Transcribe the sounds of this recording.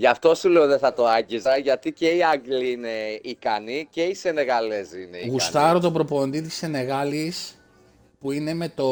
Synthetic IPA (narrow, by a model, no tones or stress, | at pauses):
ʝɐft̪o̞suleoðeθɐt̪o̞ɐɲɟizɐʝɐt̪ice̞iɐɡliine̞ikɐnice̞isene̞ɣɐle̞zineiɣust̪ɐɾot̪obɾo̞po̞nd̪it̪isθe̞ne̞ɣɐlis | puine̞me̞t̪o